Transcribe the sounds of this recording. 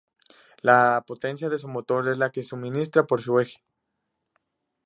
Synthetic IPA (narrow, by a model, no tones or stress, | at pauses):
lapot̪ensjaðes̬umot̪oɾezlakesuminist̪ɾapoɾs̬iwexe̥